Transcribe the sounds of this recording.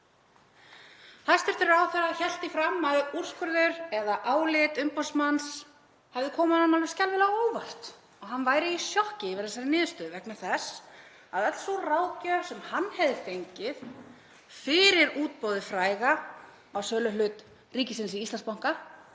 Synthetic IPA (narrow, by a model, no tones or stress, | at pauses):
θḁst̪ɛɾ̥t̪ɪɾɾawθɛɾaçɛl̥t̪ɪfɾamːaður̥skʏɾðʏɾɛðaʔaːwlɪt̪ʏmpɔsmans | hɛvðɪkʰɔːmanamalvɪ̥scalvɪlaoːwvar̥t̪ | ɔɣɦanvaːjɾɪisjɔhcɪvɛɾðasaɾɪnɪːðʏst̪œːðʏvɛknaθɛs | aðɛt̪l̥sɔraːwcœsɛmhanːhɛvðɪfejɲcɪð | fɪɾɪɾuːt̪̚poːwðɪfɾaːjɣa | awsœːlʏlʏt̪ | riːcɪsɪnsiist̪anspawŋ̥ka